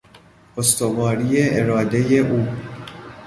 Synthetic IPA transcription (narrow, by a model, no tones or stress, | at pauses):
ost̪o̞vɒːɾiːjeʔeɾɒːd̪e̞jeʔuː